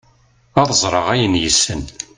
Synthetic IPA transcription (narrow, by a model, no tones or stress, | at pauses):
ɑðˤzˤɾˤɑʁæjənjəsːən